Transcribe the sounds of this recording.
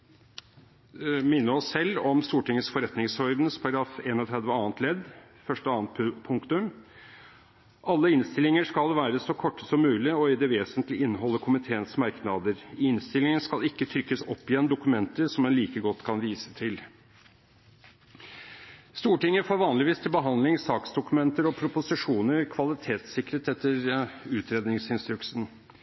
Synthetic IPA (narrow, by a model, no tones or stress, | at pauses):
mɪnːəɔsːɛlːɔmst̪uːʈɪŋːəsfɔɾɛt̪nɪŋshɔɾd̪nspʰɑɾɡɾɑːfeːnɔt̪ʰɾɛd̪ʋəɑːnt̪ʰlɛd̪ | fœʂʈəɑːnt̪pʰʊŋkt̪ʉm | ʔɑlːəɪnst̪ɪlɪŋəʂkɑlʋæːɾəsɔkʰɔʈːə̥sɔmːʉːlɪɔɪd̪ɛʋeːsənt̪lɪʔɪnːəɦɔlːəkʰʊmɪt̪ʰeːənsmɑɾknɑd̪əɾɪnst̪ɪlɪŋənʂkɑlɪkːət̪ʰɾʏkːəsɔpːɪjɛnːd̪ʊkʉmɛnt̪əɾʂɔmɛnliːkəɡɔt̪ːkʰɑnʋiːsə̥t̪ʰɪl | st̪uːʈɪŋːəfoːɾʋɑːnlɪʋiːst̪ʰɪlbəɦɑnd̪lɪŋsɑːksd̪ʊkʉmɛnt̪əɾɔpʰɾʊpʊsɪʂuːnəɾkʰʋɑlɪt̪ʰeːt̪sɪkɾət̪ɛt̪ːəɾʉːt̪ɾeːd̪nɪŋsɪnst̪ɾʉksn̩